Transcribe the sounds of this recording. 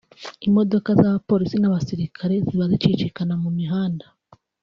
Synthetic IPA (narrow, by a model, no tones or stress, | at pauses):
imo̞do̞kazaβapo̞ɾisinaβasiɾikʰaɾe̞ziβazit͡ʃit͡ʃikanamumiɦaːnda